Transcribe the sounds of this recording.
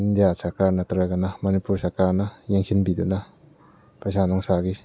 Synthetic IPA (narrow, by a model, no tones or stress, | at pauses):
ind̪ijasɐɾkaɾnɐtɾaɡɐnɐmɐnipuɾsɐɾkaɾnɐjeŋsinbid̪unɐ | pasanɔŋsaɡi